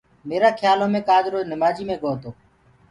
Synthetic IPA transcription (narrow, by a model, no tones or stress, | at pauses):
meːɾaːkʰjaːlõːmẽːkaːd͡ʒɾoːnɪmaːd͡ʒiːmẽːɡoːt̪oː